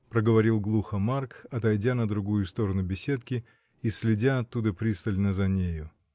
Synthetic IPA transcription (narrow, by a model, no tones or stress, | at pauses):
pɾəɡəvɐɾʲilˠɡlˠuxəmarkɐt̪ɐjdʲanəd̪ɾʊɡujʊst̪o̞ɾənʊbʲɪsʲet̪kʲɪ | isʲlʲɪdʲaɐt̪ːud̪əpɾʲist̪əlʲnəzɐnʲejʊ